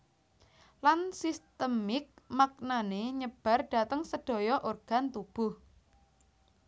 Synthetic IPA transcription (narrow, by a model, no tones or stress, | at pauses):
lansist̪əmɪk̚mak̚naneɲəb̥a̤rɖ̥a̤t̪əŋsəɖ̥ɔ̤jɔʔorɡ̥a̤nt̪ub̥ʊh